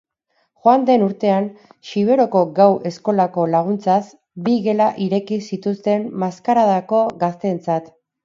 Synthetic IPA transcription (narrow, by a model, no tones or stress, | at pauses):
xoand̪e̞nuɾt̪e̞anʃiβ̞e̞ɾo̞ko̞ɡawʔe̞sko̞lako̞laɣ̞unt͡sas | biɣe̞laʔiɾe̞kisit̪ust̪e̞mmaskaɾaðako̞ɣast̪e̞nt͡sat̪